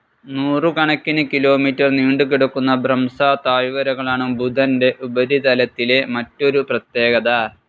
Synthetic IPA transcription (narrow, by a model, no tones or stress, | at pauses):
nuːrɨkɐɳɐkːinɨkilo̞ːmiːtːɐrniːɳɖukiɽukːunːɐbrɐmsaːt̪aːɻʋɐɾɐɣɐɭaːɳumbʱud̪ʱɐnde̞ʔubɐd̪ʱit̪ɐlɐt̪ːile̞mɐtːo̞ɾuprɐt̪je̞ːɡɐðɐ